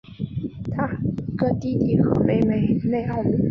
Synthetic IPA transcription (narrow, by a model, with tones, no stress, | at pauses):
t̪ʰa˥˧kɤ˥˩t̪i˥t̪i˥˩xɤ˧˥me˨˩ɪme˨˩ɪne˥˩ɪxɑ˥˩ʊu˥